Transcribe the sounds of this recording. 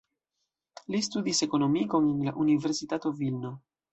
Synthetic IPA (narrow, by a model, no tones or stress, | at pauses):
list̪ud̪ise̞konomikoŋinlaʔuniveɾsit̪at̪ovilno